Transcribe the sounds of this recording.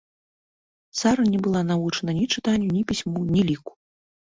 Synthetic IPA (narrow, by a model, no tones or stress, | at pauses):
t̪saɾɐnʲɛbɨlˠanavut͡ʂɐnɐnʲit͡ʂɨt̪anʲːunʲipʲisʲmunʲilʲiku̥